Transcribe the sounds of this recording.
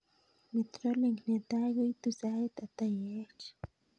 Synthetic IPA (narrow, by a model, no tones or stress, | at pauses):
mit̪ɾoliŋknet̪ajujt̪usajt̪at̪ajet͡ʃ